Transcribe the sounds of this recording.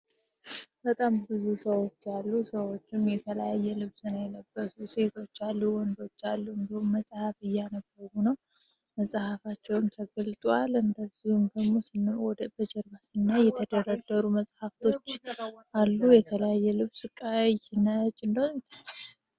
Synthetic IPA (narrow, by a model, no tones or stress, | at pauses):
bət̪ʼambɨzusəwo̞t͡ʃːalːusəwo̞t͡ʃːɪmjɛt̪ʰələjajːɛlɨβsɨnajɛləbːəsuse̞t̪ʰo̞t͡ʃːalːuwɔnd̪o̞t͡ʃːalːuɨnd̪əhumːəsʼhafɨjːanəbːəɾunəw | məsʼhafat͡ʃːɛwmt̪ʰəɡəlt̪ʼwalɨnd̪əzːihumd̪əɡmo̞snwɔb̥əd͡ʒɛɾbasɨnːajɛt̪ʰəd̪əɾəd̪əɾuməsʼhaft̪ʰo̞t͡ʃːʔalːujɛt̪ʰələjajːɛlɨβsɨkʼajnət͡ʃʼːɨnd̪əhɲt̪ʰa